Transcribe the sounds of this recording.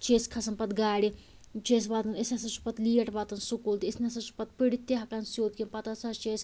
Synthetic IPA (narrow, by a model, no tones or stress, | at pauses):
t͡ʃeːskʰɐsɐnpɐt̪ɡaːɽi | t͡ʃeːs̬ʋaːt̪ɐnesɐsɐt͡ʃu̥pɐt̪liːɐʈʰʋaːt̪ɐnsukult̪iisnʲɐsɐt͡ʃu̥pɐt̪̚piɽit̪ʲːeɦɐkɐnsjoːt̪̚kʲinpɐt̪ɐsɐt͡ʃeːs